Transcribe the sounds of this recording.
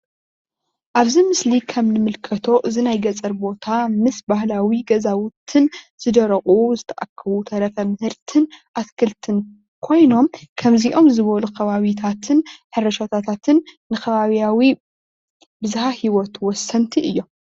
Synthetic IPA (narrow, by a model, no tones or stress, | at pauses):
ʔaβzimɨslikʰɐmnɨmɨlkʰɐt̪ʰo̞ʔɨzinajɡɐt͡sʼɐɾbo̞t̪ʰamɨsbahlawiɡɐzawʊt̪ʰɨn | z̥ɨd̪ɐɾɐχʼuzɨt̪ʰɐʔa̰kʰːɐβut̪ʰɐɾɐfɐmɨhɨɾt̪ʰɨnʔaskʰɨlt̪ʰɨn | kʰo̞jno̞mkʰɐmziʔo̞mzɨβɐlukʰɐβaβit̪ʰat̪ʰɨnħɨɾɐʃat̪ʰat̪ʰat̪ʰɨnnɨkʰɐβaβijawi | bɨzhahiwɔt̪wɔsːɐnt̪ʰiʔɨjːo̞m